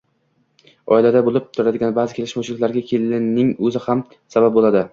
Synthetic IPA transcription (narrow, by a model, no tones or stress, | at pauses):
ɒɪlad̪abolɪp̚t̪ʰʊɾad̪ɪɡʲanbaːzɪkʲe̞lɪʃmat͡ʃʰɪlɪkʲlaɾɡʲakʲʰelɪnɪŋɵzɪham | sabap̚bolˠad̪ɪ